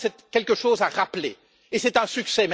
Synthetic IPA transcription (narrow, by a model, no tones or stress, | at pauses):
sɛt̪kʲɛlkəʃoːzaʁaple | esɛt̪ɛ̃syksɛm